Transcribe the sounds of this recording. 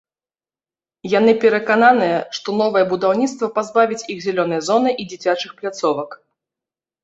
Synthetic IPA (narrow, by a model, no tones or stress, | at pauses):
janɨpʲɛɾɐkananɨjɛʂt̪ɔnɔvɐjɛbud̪awnʲit̪st̪vɐpazbavʲit͡sʲixzʲɛlʲɔn̪ɐjɛzɔnɨʔid͡zʲit͡sʲat͡ʂɨxplʲat̪sɔvɐk